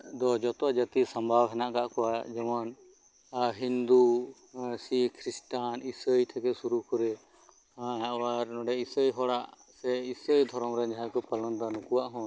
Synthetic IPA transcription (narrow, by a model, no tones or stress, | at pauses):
d̪ɔd͡ʒɔt̪ɔad͡ʒat̪isambʱawɦɛnaʔkaʔkɔwad͡ʒɛman | ɦind̪u | sikʰɾisʈanisəjt̪ʰɛkɛsuɾukɔɾɛ | ɦãɛwaɾnɔɖɛisəjɦɔɽaʔ | sɛisəjd̪ʱɔɾɔmɾɛɲd͡ʒajkɔpələnd̪anukuwaʔɦɔ̃